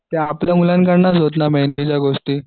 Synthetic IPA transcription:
t̪eapləmulank̬aɽnasɦot̪namenit͡ɕjaɡost̪iː

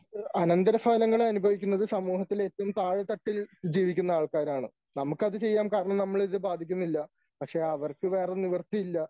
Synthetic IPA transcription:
ɐnɐnd̪ɐɾɐfaːlɐŋːɐɭɐnubʱɐʋikʲːunːɐðɨsɐmuːɦɐt̪ːiletːɐʋumt̪aːɻɨt̪ɐʈːild͡ʑiːʋikʲːunːɐaːɭkaːɾaːɳɨ̰ | nɐmukːɐðɨt͡ɕe̞jːaːmkaːɾɐɳɐmnɐmːɐɭiðɨbaːd̪ʱikʲːunːilːɐ | pɐkʂe̞ɐʋɐrkɨʋe̞ːreniʋɐrt̪ijilːɐ

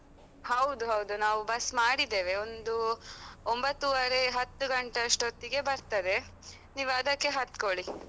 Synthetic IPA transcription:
hɐwd̪uɦɐwd̪unaːʋubɐsmaːɽid̪ːeːʋe̞ond̪uombɐt̪ːuʋɐɾeɦɐt̪ːuɡɐɳʈeʂʈot̪ːiɡe̞bɐɾt̪ɐd̪e̞ | niːʋɐd̪ɐkːe̞ɦɐt̪koɭi

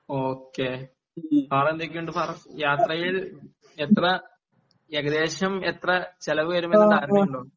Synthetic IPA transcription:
oːkːe | paːɽɐnd̪ekʲːiuɳɖɨpaːrɐjaːt̪rɐjil | et̪rɐ | jeɡɐd̪eːɕɐmet̪rɐt͡ɕelɐʋɨʋɐɾumenːɐt̪aːɾːuɳɖoːɳ

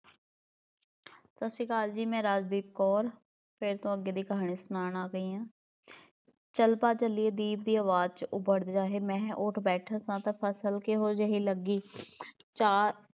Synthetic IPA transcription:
səsikaːld͡ʒiːmɛ̃ːɾaːd͡ʒd̪iːb̚kɔːɾ | pʰɪɾt̪õːəɡːeːd̪iːkəɦaːɳiːsʊnaːnaːɡəiːãː | t͡ʃəlpaːt͡ʃəliːeːd̪iːbd̪iːəːʋaːd͡ʒ̪̚t͡ʃʊbəɽd̪d͡ʒaːɦeːmɛ̃ːʊːʈʰbɛːʈʰãːsãːt̪aːpʰəsəlkeːɦoːd͡ʒəɦiːləɡiː | t͡ʃaː

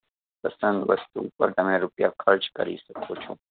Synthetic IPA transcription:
pɐsɐnd̪ʋɐ̰st̪upə̰ɾt̪ɐmẽɾupja̰kʰɐɾd͡ʒkɐ̰ɾḭsɐkʰot͡ʃʰũ

